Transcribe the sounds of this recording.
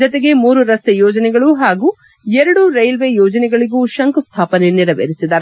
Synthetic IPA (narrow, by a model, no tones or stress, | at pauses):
d͡ʒɔt̪eɡe̞muːɾuɾɐst̪ejɔːd͡ʒɐnɛɡɐɭuɦaːɡuː | ɛɾɐɽuɾɐjlʋe̞jɔːd͡ʒɐnɛɡɐɭiɡuːʃɐŋkust̪ʰaːpɐneniɾɐʋḛɾisid̪ɐɾ